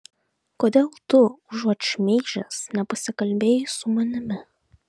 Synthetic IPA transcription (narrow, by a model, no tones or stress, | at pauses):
koːd̪ʲeːlˠt̪ʊʒuɔt͡ʃmʲɛːʒʲɛsnʲɛpɐsʲɪkɐlʲbʲeːjɪsʊmɐnʲɪmʲɪ